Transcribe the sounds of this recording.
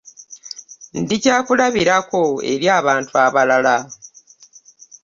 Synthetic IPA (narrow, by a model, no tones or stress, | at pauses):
ndicaːkulaβiɾako̞e̞̰ɾjaːβaːntuaβalala